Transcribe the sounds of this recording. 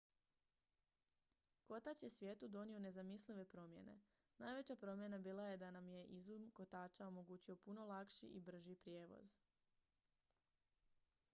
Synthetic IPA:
ko̞t̪at͡ɕjesʋjeːt̪ud̪o̞nio̞ne̞zamisliʋe̞pɾo̞mje̞̰ne̞̰ | naːjʋe̞t͡ɕapɾo̞mje̞nabiːlˠaje̞d̪anamje̞ʔizumko̞t̪aːt͡ʃao̞mo̞ɡuːt͡ɕio̞puno̞lˠakʃḭʔibr̩ʒipɾje̞ːʋo̞̰z

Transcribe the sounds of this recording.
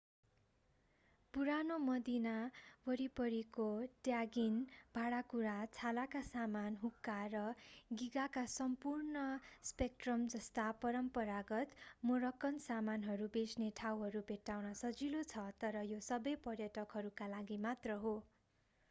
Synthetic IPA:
puɾanomʌd̪inabʌɾipʌɾikoʈjaɡinbʱaɽakuɾat͡sʰalakasamanɦukːarʌɡiɡakasʌmpurnʌspek̚ʈrʌmd͡zʌst̪apʌɾʌmpʌɾaɡʌt̪moɾʌkːʌnsamanɦʌɾubesneʈʰawɦʌɾubʱeʈːawnʌsʌd͡zilot͡sʰʌt̪ʌɾʌjosʌbʌjpʌrjʌʈʌkɦʌɾukalaɡimat̪rʌɦo

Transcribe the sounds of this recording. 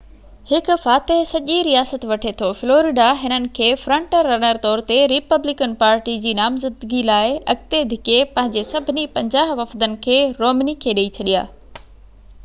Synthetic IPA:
hɪkʊfaːt̪eɦsɐʄiɾijaːsət̪ʋɐʈʰet̪ʰofloːɾɪɖaɦɪnənɪ̆kʰeːfɾɐ̃ɳʈəɾːɐñəɾt̪ɔːɾt̪eɾɪpɐblɪkənpaːɾʈid͡ʑiːnaːmzəd̪ɡilaːɪɐɡ̚t̪ed̪ʱɪkepɐ̃ɦɪ̃ɲd͡ʑesɐbʱɪnipɐ̃ɲd͡ʑaːɦʋɐfd̪ənɪ̆kʰeːɾoːmnikʰeːɗeit͡ɕʰɐɗija̰ː

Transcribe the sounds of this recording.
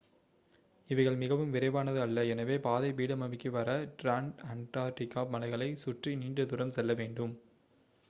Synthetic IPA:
ɪʋɐɪɣɐɭmɪɣɐʋɯmʋɪɾɐɪʋaːnɐðɯɐlːɐɛnɐʋeːpaːðɐɪʋiːɽɐmɐmɪkːɯʋɐɾɐʈɾaːɳɖɐnt̪aːɾʈɪkːaːmɐnɐɪɣɐɭɐɪsʊʈriniːɳɖɯðʊɾɐmsɛlːɐʋeːɳɖɯm

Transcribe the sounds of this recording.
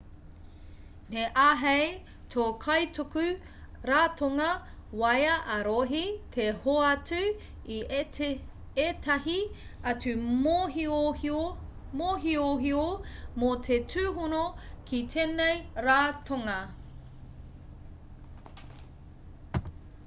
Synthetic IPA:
meʔaɦej | tʰokʰɐjtokʉ | ɾaːtʰoŋɐwɐjɐʔɐɾoɦitʰehoɐt͡sʉ | i | etʰɐɦiɐtʉmoi | moɦioɦiomotʰetʰʉːɦunokʰit̪ʰeːnejɾaːtʰoŋɐ

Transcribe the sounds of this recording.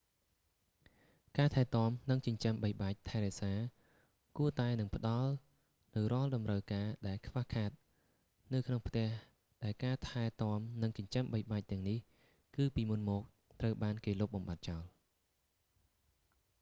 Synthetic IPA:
kaːt̪ʰaɛt̪ŏəmnɨŋt͡ɕəɲt͡ɕəmɓəjɓaːc̚t̪ʰaɛɾɛʔsaː | kuət̪aɛnɨŋpʰə̆ɗɑl | nɨwrŏəlɗɑmrəwkaːɗaɛlkʰʋahkʰaːt̪̚ | nɨwkʰnoŋpʰt̪ɛ̆əh | ɗaɛlkaːt̪ʰaɛt̪ŏəmnɨŋt͡ɕʊ̆ɲt͡ɕəmɓəjɓaːc̚t̪ɛ̆əŋnih | kɨːpiːmunmɔːk̚ | t̪rəwɓaːnkeːloːp̚ɓɑmɓat̪̚t͡ɕaɔl

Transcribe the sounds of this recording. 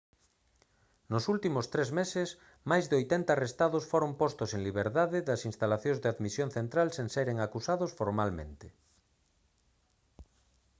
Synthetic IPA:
nosult̪imost̪ɾezmeses | majzðeojt̪ent̪aːrest̪aðosfoɾompost̪oseŋliβeɾðaðeðɐsinst̪alaθjõŋzðeaðmisjõnθent̪ɾalsenseɾeŋakusaðosfoɾmalmḛ̃nt̪e

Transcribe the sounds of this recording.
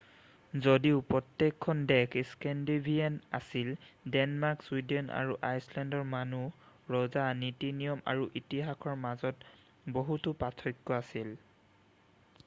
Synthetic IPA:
zodiʊpɹɔtːekʰːɔndɛkiskɛndibʱijana̰sildɛnmaɹkswidɛna̰ɹuʔajslɛndɔɹmanu | ɹɔzanitinijɔma̰ɹuʔitiɦakʰɔɹmazɔt | boɦutʊpatʰɔjkːɔasil

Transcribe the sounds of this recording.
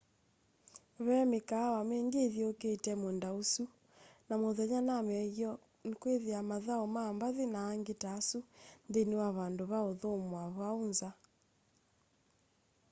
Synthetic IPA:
βɛmekawameːŋɡeðjɛoketɛmondausu | namoðɛɲanamɛɣjɔ | nkweðeamaðaɔmaːmbaðenaːŋɡetasundenewaβandoβaoðomwaβwaonza

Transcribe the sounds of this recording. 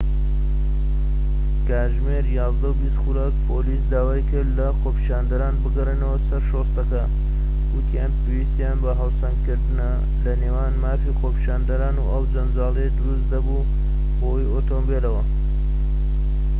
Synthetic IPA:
kaːʒmeɾjɑːzd̪ɐubist̪xuɾɐk̚pʰoliːsd̪aːwaːjkɨɾd̪lɐxoːpʰi̥ʃaːnd̪ɐɾaːnbɨɡɐrenɐwɐsɐɾʃost̪ɐkɐ | wut̪ʰijaːnpʰewist̪jaːnbɐɦɐlsɐŋɡkɨɾd̪ɨnɐ | lɐneːwaːnmaːfixoːpi̥ʃaːnd̪ɐɾaːnuːʔɐwd͡ʒɐnd͡ʒɑːlˠed̪ɨɾusd̪ɐbu | howioːt̪ombelɐwɐ

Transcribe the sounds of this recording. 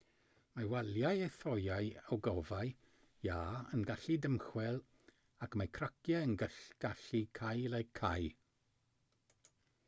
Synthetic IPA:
mawaljajejθɔjaɨɔwɡɔvaj | jaːə̰nɡaɬidəmχwɛlˠ | akmakʰrakʰjɛənɡəɬɡ̥aɬikʰajlɛkʰːaj

